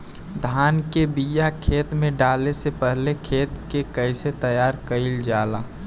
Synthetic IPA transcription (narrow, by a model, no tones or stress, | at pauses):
d̪ʱaːnkebijakʰeːt̪mẽɖaːlesepəɦlekʰeːt̪kekəɪset̪əjaːɾkəɪld͡ʒaːlaː